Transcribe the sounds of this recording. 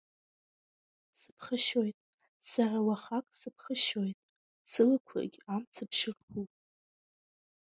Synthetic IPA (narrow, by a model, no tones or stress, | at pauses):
sɨ̥pʰχəʃojtʼ | sarawaχakʼsɨpʰχəʃojtʼ | sɨlɨkʷʰa̰ɡʲamt͡sʰɨpʰʂɨrχʰupʼ